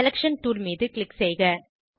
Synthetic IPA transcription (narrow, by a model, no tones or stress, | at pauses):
ɛlɐkʂɐnt̪uːɾmiːðɯklɪksɛjɣɐ